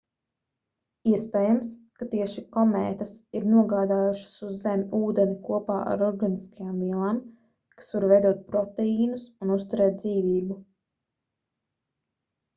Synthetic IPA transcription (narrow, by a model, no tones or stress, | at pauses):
iɛspeːjamskat̪iɛʃikɔmɛːt̪asiɾnuɔɡaːd̪aːjuʃḁsuzːemʲuːd̪enikuɔpaːʔa̰ɾɔɾɡaniskajaːmviɛlˠaːm | kḁsvaɾvɛjd̪uɔt̪̚pɾɔt̪ɛiːnusunust̪uɾɛːt̪̚d̪ziːviːbu